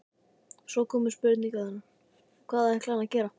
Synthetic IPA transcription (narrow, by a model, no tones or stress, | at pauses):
sɔːwkʰɔːmʏɾ̥spʏɾt̪niŋkaðanːa | kʰvaːðaɛhklaːnacɛːɾa